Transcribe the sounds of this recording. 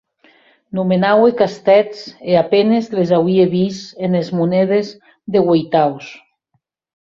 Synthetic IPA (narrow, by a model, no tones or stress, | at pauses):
numenawekast̪ɛt͡seapenezlezawieβisenezmunɛðez | ðeɣwejt̪aws